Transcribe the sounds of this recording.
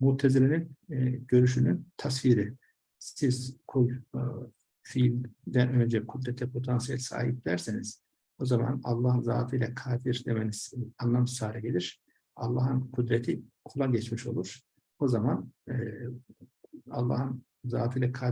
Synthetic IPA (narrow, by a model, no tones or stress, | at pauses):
mut̪ʰːeziɾininɟø̞ɾyʃ̬ynynt̪ʰasviːɾi | sizkʰulʲ | filʲd̪ænø̞nd͡ʒɛkʰud̪ɾɛt̪ʰɛpʰo̞t̪ʰansijɛlʲsa̰ːɦip̚d̪æɾsiniz̥ | o̞zama̰na̰lˠːaːhɯnza̰ːt̪ʰɯjlʲɛkʰaːd̪iɾd̪emeniz̥anlˠamsaːɾɛɟelʲiɾ̥ | ɑ̰lˠːaːɦɯnkʰud̪ɾet̪ʰikʰulˠaɟɛt͡ʃmiʃolˠuɾ̥ | o̞zaman | a̰lˠːa̰ːhɯn | zaːt̪ʰɯjlʲɛkʰaː